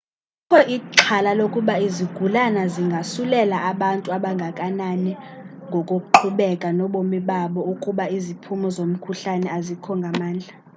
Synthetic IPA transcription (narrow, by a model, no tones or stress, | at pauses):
ukʰɔʔiǃʰalalokʼuɓaiziɡ̥ʱulanaziŋɡʱasulɛlaːɓantʼuaɓaŋɡʱakʼananɛ | ŋɡʱɔkʼokʼuǃʰuɓɛkʼanɔɓomiɓaɓɔukʼuɓaizipʰumɔzom̩kʰuɬanɛazikʰɔŋɡʱamaːnd͡ɮʱa